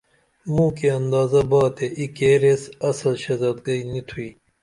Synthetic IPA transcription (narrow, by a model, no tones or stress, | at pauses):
mũːkeɐnd̪ɑːzɐbɑːt̪eʔikeːɾesɐsɐlɕɐzɐt̪ɡɐinit̪ʰuiː